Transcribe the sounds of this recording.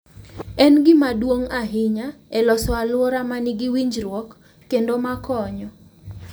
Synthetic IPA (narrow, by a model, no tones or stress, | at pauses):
ɛnɡɪmadwoŋaɦɪɲaɛlɔsɔalwɔɾamanɪɡɪwiɲd͡ʒɾwɔkː | endomakɔɲɔ